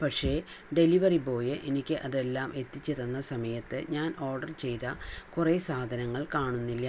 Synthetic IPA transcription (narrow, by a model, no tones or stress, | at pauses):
pɐʈʂe̞ː | ɖe̞liʋɐripo̞ːjɨʔenikʲːɨʔɐðe̞lːaːmʔe̞t̪ːit͡ɕːeðɐnːɐsɐmɐjɐt̪ːɨɲaːno̞ːrɖɐrt͡ɕe̞jt̪ɐkureːsaːd̪ʱɐnɐŋːɐɭkaːɳunːilːɐ